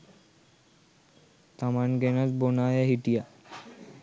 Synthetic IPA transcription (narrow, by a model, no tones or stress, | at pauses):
t̪amanɡeñat͡sbonajaɦiʈija